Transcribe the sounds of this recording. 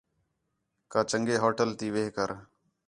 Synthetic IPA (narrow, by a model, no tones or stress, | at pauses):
kãːt͡ʃəŋɡeːɦoːʈəlt̪iːʋeːkəɾ